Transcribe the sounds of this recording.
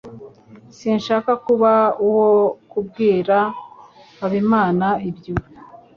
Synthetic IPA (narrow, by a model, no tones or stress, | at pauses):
sinʃaːkakuβauwokub̚ɡiːɾa | aβimaːnaibju